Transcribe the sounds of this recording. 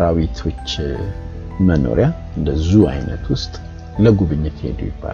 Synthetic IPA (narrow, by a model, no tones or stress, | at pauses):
ɾawit̪ʰo̞t͡ʃː | məno̞̰ɾja | ɨnd̪əzua̰jnə̰t̪ʰwʊst̪ʼ | ləɡuβɨɲːɨt̪hḛd̪o̰jɪbːa̰l